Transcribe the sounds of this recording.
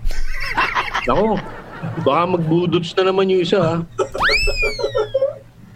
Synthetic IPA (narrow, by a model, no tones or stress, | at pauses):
nɐko̞bɐkamɐɡ̚buːd̪ʊt̪snɐnɐmanjʊŋʔɪsaa